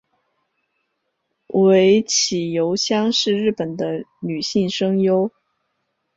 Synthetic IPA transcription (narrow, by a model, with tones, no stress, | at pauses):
we˧˥ɪt͡ɕʰi˨˩jo˧˥ʊɕjɑ˥ŋʂɻ̩˥˧ɻɻ̩˥˩pə˨˩nd̪ə˦ny˨˩ɕi˥˩ŋʂɤ˥ŋjo˥ʊ